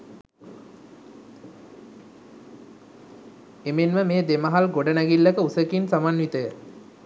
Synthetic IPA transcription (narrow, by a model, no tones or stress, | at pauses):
emenməmeːd̪eməɦalɡoɖənæɡilːəkəusəkinsamanʋit̪əjə